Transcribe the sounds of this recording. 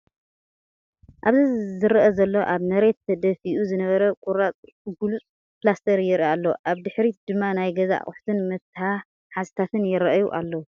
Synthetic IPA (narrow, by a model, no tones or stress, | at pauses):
ʔaβzizɨɾʔɐzɐlːo̞ʔaβnɐɾe̞t̪ʰd̪ɐfiʔuzɨnɐβɐɾɐkʼuɾat͡sʼ | ɡulut͡sʼ | plast̪ʰɐɾjɪɾʔialːoʔaβd̪ɨħɾid̪̥ɨmːanajɡɐza̰ʔχʼʊ̰ħt̪ʰɨnmɐt̪ha | ħazɨt̪ʰat̪ʰɨnjɪɾɐʔjuʔalːɐwu